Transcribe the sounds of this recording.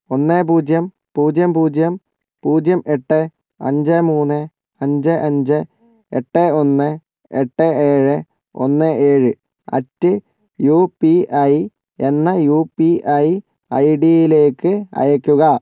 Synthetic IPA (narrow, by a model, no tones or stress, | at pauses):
o̞nːeːpuːd͡ʑjɐm | puːd͡ʑjɐmpuːd͡ʑjɐm | puːd͡ʑjɐmʔeʈːe | ɐ̰ɲd͡ʑemuːnːɨ | ɐɲd͡ʑɨʔɐɲd͡ʑɨ | ḛʈːeo̞nːɨ | eʈːeeːɻɨ | o̰nːɨʔeːɻɨ | ɐ̰tːɨ | juːpiɐj | e̞nːɐjuːpiʔɐj | ɐ̰jɖijile̞ːkːɨɐ̰jɐkʲːuɣɐ